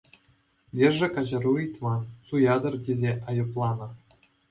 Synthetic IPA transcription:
lʲerʐɘ̆kɑʑɤ̆ruĭt̪ʲmɑsujɑd̪ɤ̆rdʲezʲeʔɑjɤplˠɑnɤ̆

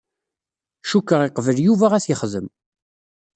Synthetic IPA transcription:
ʃukːəʁiqvəljuvæʁæsjəχðəm

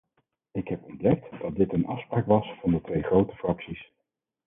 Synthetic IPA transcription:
ɪkɦɛpɔndɛk̚td̥ɑt̚dɪtənʔɑ̰fspraːkʋɑsfɑndətʋejχrowtə̥frɑksis

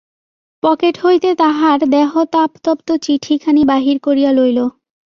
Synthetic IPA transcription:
pɔkeʈɦojt̪et̪aɦaɾd̪ɛɦot̪apt̪ɔpt̪ot͡ɕiʈʰikʰanibaɦiɾkoɾijalojlo

